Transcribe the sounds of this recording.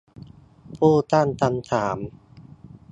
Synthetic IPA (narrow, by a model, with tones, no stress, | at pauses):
pʰuː˥˩t̪a˥˩nt̪a˧nt̪ʰaː˩˦m